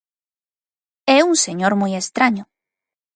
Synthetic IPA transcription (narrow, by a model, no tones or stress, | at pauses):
ɛuŋseɲoɾmujest̪ɾaɲʊ